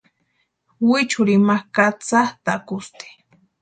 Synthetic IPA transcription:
wɪt͡ʃʊɾimahkat͡saht̪akʊst̪i̥

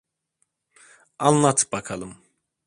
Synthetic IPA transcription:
anlˠat̪ʰɯ̥p̚bakʰalˠɯm

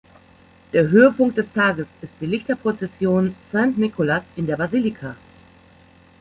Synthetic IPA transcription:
d̥eːɐɦøːəpʊŋk̚t̚d̥ɛstʰaːɡəsɪst̚d̥iːlɪçtɐpʁ̥ot͡sɛsjoːnsɛ̃ntnɪkʰolasɪndeːɐbaziːlɪkʰa

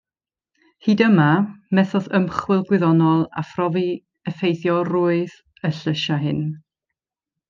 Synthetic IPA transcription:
hiːdəmamɛθɔðəmχwɪlˠɡwɪðɔnɔlˠa̰frɔvi | əfejθjɔrʊɨð | əɬəʃaɦɪn

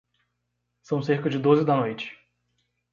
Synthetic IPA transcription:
sɐ̃w̃seɾkɐd͡ʒɪd̪ozɪd̪ɐnojt͡ʃɪ̥

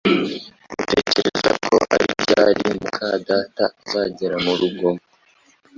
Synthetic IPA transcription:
ɡute̞ːceɾezakʰo̞̰ʔaɾibɟaɾimukʰaːdaːtazaːɟeɾamuɾuɡo̞

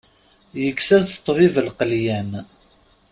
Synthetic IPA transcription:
jəkːsæzət̪ˤːvivəlqəljæn

